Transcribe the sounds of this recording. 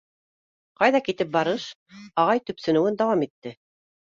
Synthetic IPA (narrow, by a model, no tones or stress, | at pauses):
qɑjðɑkit̪ɘp̚bɑɾɤʃ | ɑʁɑjt̪ɵ̆psɘ̆nɘ̆wɘnd̪ɑwɑmit̪ːɘ